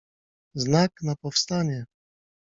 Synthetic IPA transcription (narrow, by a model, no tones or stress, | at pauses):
znaknapɔfst̪aɲɛ